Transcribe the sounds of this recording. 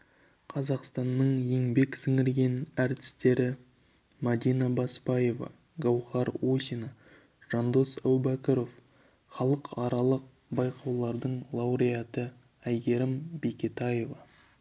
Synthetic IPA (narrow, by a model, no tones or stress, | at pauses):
qʰɑzɑqst̪ɑnːəɴje̞ŋbe̞ksɪŋɪɾɡʲe̞næɾt̪ɪ̥st̪e̞ɾɪ | mad̪ijnɑbɑspɑje̞vɑ̰ | ɡɑwχɑɾwosʲinɑ | ʒ̥ɑnd̪o̞sæwbækʲeɾo̞f | χɑlˠəqɑɾɑlˠəq̚ | bɑjqʰɑwlˠɑɾd̪əɴlˠɑwɾijat̪ə | æjɡʲe̞ɾɪmbekʲet̪ɑje̞vɑ